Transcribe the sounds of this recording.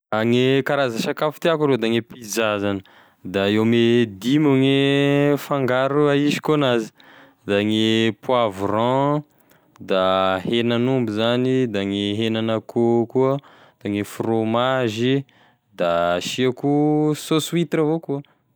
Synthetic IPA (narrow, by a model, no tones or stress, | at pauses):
aŋekaɾazaʃakafi̥t̪iakuɾod̪aŋepizazanə | d̪aewmed̪imuŋefaŋɡaɾuaiʃi̥konazi̥ | d̪aŋepwavrɑ̃ | d̪ahenanumbizanid̪aŋeɦenanəkukuə | d̪̥aŋefromaʒi | d̪aʃiakusosuit̪ɾavokuə